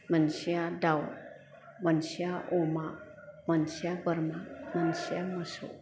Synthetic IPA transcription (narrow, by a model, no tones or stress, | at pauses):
mənsijadaw | mənsiaʔoma | mɐnsijabəɾmamənsijaməso̰